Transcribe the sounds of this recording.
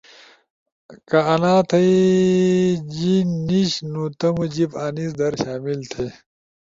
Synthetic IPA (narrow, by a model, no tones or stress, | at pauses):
kɐɐnaːt̪ʰɐj | d͡ʑinːiɕnut̪ɐmud͡ʑipaːnisd̪ɐɾɕaːmilt̪ʰe